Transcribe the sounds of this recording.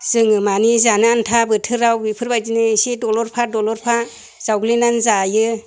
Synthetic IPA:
z̥ɯŋɯmanizanɯantʰabɯtʰɯɾawbipʰɯɾbajtinɯsidɔlɔɾpʰadɔlɔɾpʰa | z̥awɡlinanzajɯ

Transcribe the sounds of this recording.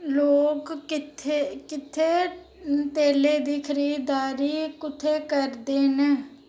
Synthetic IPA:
loːkːɪt̪ʰekɪt̪ʰeː | t̪eːleːd̪iːkʰəɾiːd̪aːɾiːkʊt̪ʰːeːkəɾd̪eːneː

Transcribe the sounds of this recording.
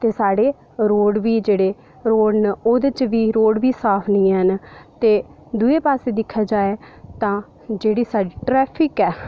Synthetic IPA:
t̪eːsaːɽeː | ɾoːɽʋiːd͡ʒeːɽeː | ɾoːɽnoːd̪et͡ʃʋiːɾoːɽʋiːsaːpʰnĩːɦənt̪eː | d̪ueːpaːseːd̪ɪkʰːaːd͡ʒaːeːt̪ãː | d͡ʒeːɽiːsaːɖiːʈɾɛːpʰɪkɛː

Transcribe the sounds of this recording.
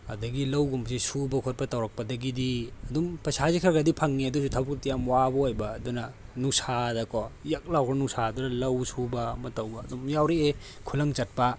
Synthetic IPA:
ɐ̰dɐɡilɐwɡumsisubɐkʰot̚pɐtɐwɾɐk̚pɐdɐɡidiɐdumpɐsazikʰaɾɡɐdipʰɐŋniɐdusutʰawbuktijamwabɐojbɐːdunɐnusadɐkɔjɐk̚lawɡɾɐnusadunɐlɐwsubɐmɐtɐwbɐːdumjawɾiekʰulɐŋt͡ʃɐt̚pɐ

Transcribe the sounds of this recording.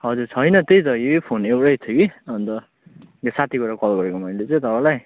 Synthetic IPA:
ɦʌd͡zurt͡sʰʌjnʌt̪ejt͡sʌepʰonewʈʌjt̪ʰokiʌnt̪ʌ | asat̪ʰikoɾakʌlɡʌɾekomʌjlet͡sʌ̃j̃t̪ʌpalaj

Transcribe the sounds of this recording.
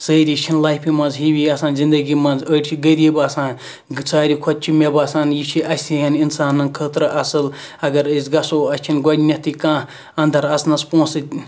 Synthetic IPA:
səːɾit͡ʃʰinlaːjpʰimɐ̃nzɦiwiːɐsaːnzind̪ɐɡimɐ̃nzəʈʲt͡ʃʰiɡəɾʲibɐːsãːn | t͡saːɾʲikʰɔt̪̚t͡ʃʰimʲebasaːnjit͡ʃʰiʔɐsʲijɐninsaːnɨnkʰəːt̪ɾɨʔɐsɨl | ɐɡɐɾəsʲɡɐsoːɐst͡ʃʰinɡɔdʲnʲɐt̪ikãː | ɐnd̪ɐɾɐsnɐspõːnsɨ

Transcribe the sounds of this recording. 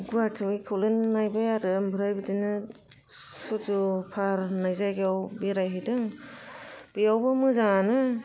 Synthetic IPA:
ɡuatʰɯikʰɯwlɯnːajbajaɾɯmbʱɯɾajbɯdinɯ | suzupʰaɾnajzajɡeawbiɾajɦɯdɯŋ | b̥ijawbɯmɯzaŋanɯ

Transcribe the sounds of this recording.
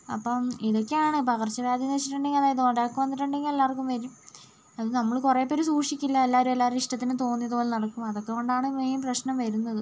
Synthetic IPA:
ɐ̰pːɐmiðo̞kːeaːɳɨpɐɣɐrt͡ɕːɐʋjaːd̪jɐnɐet͡ɕːiʈːuɳɖeŋɡɐðaːjɐðuoɳɖaːkːuʋɐnd̪iʈːuɳɖeŋɡelːaːrkːumʋɐɾum | ɐðɨnɐmːɐɭkure̞ːpːoːɾusuːʂikʲːilːɐelːaːɾumelːaːɾuiʂʈɐt̪ːinɨt̪o̞ːnːijɐðuoːlenɐɽɐkːumɐðo̞kːekoːɳɖaːɳɨmeːmprɐɕnɐmʋɐɾunːɐðɨ

